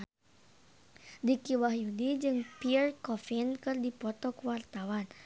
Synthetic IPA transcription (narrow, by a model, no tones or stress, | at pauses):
dikiwahjudid͡ʒɨŋpirkɔfinkɨrdipɔt̪ɔkəwart̪awan